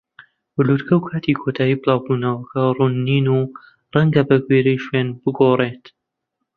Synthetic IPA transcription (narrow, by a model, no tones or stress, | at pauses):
ɨlut̪kʰɐwkʰaːt̪ʰikʰot̪ʰaːjiːbɨlˠɑːwbuːnɐwɐkʰɐrunːiːnuː | rɐŋɡɐbɐɡweɾɐjʃweːnbɨɡoret̪